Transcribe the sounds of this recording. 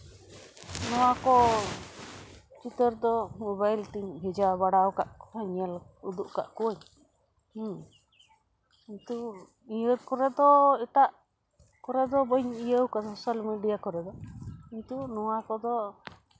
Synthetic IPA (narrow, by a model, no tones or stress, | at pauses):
nɔwakɔ | t͡ʃit̪əɾd̪ɔmɔbajlt̪iɲɦɛd͡ʒabaɽawkaʔaɲɛlud̪uʔka̰ʔkuwəɲ | iɲt̪u | ĩəɾkɔɾɛd̪ɔɛt̪aʔ | kɔɾɛd̪ɔbəɲijəwkasɔsalmiɖijakɔɾɛd̪ɔiɲt̪unɔwakɔd̪ɔ